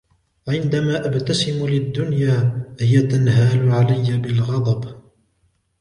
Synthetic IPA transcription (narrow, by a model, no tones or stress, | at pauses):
ʕɪnd̪amaːʔabt̪asɪmulɪd̪ːʊnjaːhɪjat̪anɦaːlʊʕalajːabɪlɣɑd̪ˤɑb